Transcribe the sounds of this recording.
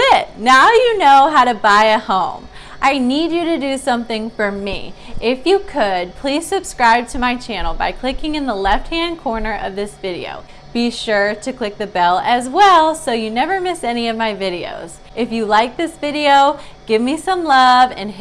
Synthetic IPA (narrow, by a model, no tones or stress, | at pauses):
ɪt̚naʊjɨnoʊɦaʊɾɨbaɪɨt̚hõʊ̃m | ʔaɪnid͡ʒɨɾɨdɨsʌ̃mθɪ̃ŋfə˞mḭʔɪfjɨkʰɨd̚pʰl̥iz̥sɨb̥skɹaɪb̚tʰɨmaɪt͡ʃʰæ̃nl̩ˠba̰ɪkʰl̥ɪkɪ̃ŋɨ̃nðəlɛft̚hæ̃nkʰɔɹnə˞ʔʌ̰vðɪsvɪɾḭo̰ʊ | b̥iʃʊɹɾɨkʰl̥ɪk̚ðɨbɛlˠɨzwɛlˠsoʊjɨnɛvə˞mɪsɛniʌvmaɪvɪɾio̰ʊz | ɨfjɨlaɪk̚ðɪsvɪɾioʊɡ̥ɪvmisʌ̃mlʌvɨ̰̃n